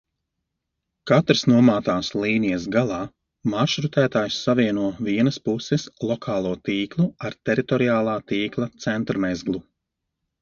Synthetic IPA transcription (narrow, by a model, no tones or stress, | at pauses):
kat̪ɾsnuɔmaːt̪aːslˠiːnijɐsɡalˠɑː | maʃɾut̪æːt̪aːjsːaviɛnuɔviɛnɐspusɛslˠɔkʰaːlˠuɔt̪iːklˠuaɾt̪ɛɾit̪ɔɾiaːlˠaːt̪iːklˠat̪sɛnt̪ɾmɛzɡlˠu